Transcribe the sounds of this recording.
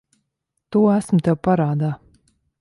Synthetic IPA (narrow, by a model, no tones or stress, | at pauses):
t̪uːɔæsmt̪ɛwpaɾaːd̪aː